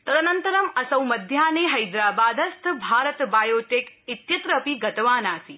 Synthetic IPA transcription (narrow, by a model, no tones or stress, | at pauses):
t̪ɐt̪ɐnɐnt̪ɐɾɐmɐsɐwmɐd̪ʱjaːneːɦɐjd̪ɾaːbaːd̪ɐst̪ʰbʱaːɾɐt̪baːjoːʈeːkit̪jɐt̪ɾɐpiɡɐt̪ɐʋaːnaːsi